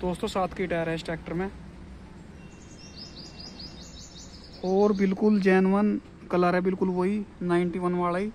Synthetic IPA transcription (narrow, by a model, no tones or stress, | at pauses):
d̪̥oːst̪õːsaːt̪ʰkiːʈaːɾɛɪsʈɛːk̚ʈəɾmẽː | oːɾbɪlkʊld͡ʒɛːnʋən | kəlaːɾɛːbɪlkʊlʋoːiːnaːɪɳʈiːʋənʋaːɭaiː